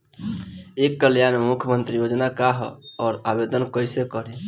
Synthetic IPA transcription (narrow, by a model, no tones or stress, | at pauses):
ekːəljanmukʰjəmənt̪ɾijod͡ʒnakaɦɔːɾabed̪ənkəjsekəɾe